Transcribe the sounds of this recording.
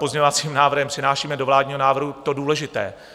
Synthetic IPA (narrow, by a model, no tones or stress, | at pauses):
pozɲɛɲovat͡siːmnaːvr̩ɦɛmpr̥ɪnaːʃiːmɛdovlaːdɲiːɦonaːvr̩ɦut̪o̞duːlɛʒɪt̪ɛ̰ː